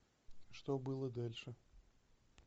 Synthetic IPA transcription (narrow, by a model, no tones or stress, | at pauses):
ʂt̪obɨlˠəd̪alʲʂɨ